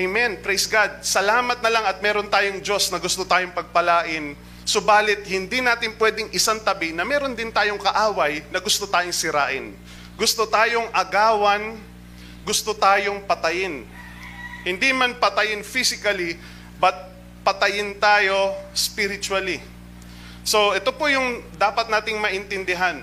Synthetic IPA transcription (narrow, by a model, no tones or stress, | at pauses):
ʔɛjmɛnpɾejsɡad̪̚sɐlaːmɐt̪̚nɐlaŋɐt̪̚mɛːɾo̞nt̪aːjoŋd͡ʒo̞snɐɡʊst̪ot̪aːjoŋpɐɡ̚pɐlaːʔɪn | sobaːlɪt̪̚hɪnd̪inaːt̪ɪnpwɛd̪ɪŋʔɪsant̪ɐbɪnɐmɛːɾo̞nd̪ɪnt̪aːjoŋkɐʔaːwɐjnɐɡʊst̪ot̪aːjoŋsɪɾa̰ːʔɪn | ɡʊst̪ot̪aːjo̞ŋʔɐɡaːwɐn | ɡʊst̪ot̪aːjo̞ŋpɐt̪ɐjɪn | hɪnd̪imanpɐt̪ɐjɪnfisɪkɐli | bɐt̪̚ | pɐt̪ɐjɪnt̪aːjo̞spɪɾɪt͡ʃwɐli | so̞ʔɛt̪o̞pojʊŋd̪aːpɐt̪naːt̪ɪŋmɐʔɪnt̪ɪnd̪ɪɦan